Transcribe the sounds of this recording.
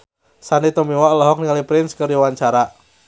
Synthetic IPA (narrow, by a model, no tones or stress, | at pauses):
sanit̪ɔmiwɔlɔɦɔk̚niŋalipɾɪnskərdiwaɲt͡ʃaɾa